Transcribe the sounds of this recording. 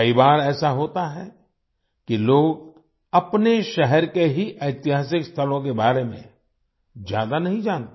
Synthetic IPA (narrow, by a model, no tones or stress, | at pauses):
ibaːɾɛːsaɦoːt̪aɦɛ | kiloːɡ | ɐpneʃɛɦɛɾkeɦiʔɐɪt̪ɪɦaːs̬ɪkst̪ʰəlõk̬ebaːɾemḛ̃ | d͡ʒja̰ːd̪anɐɦĩd͡ʒãːnt̪